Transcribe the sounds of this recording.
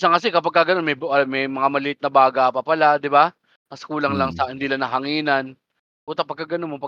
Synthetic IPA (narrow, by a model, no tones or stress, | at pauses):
saŋkɐs̬ɛkɐpɐɡ̚kaɡɐnonmɛjbmɛjmɐŋamɐlɪʔɪt̪̚nɐbaːɡapɐpɐlad̪ɪba | mɐskuːlɐŋlaŋsɐhɪnd̪iːlaŋnɐɦɐŋiːnɐn | buːt̪ɐpɐɡ̚kːaɡɐnonmopɐ